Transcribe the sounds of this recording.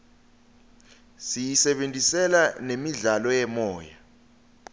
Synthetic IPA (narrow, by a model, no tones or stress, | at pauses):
sijisɛɓentʼisɛlanemiɮalɔjɛmɔːja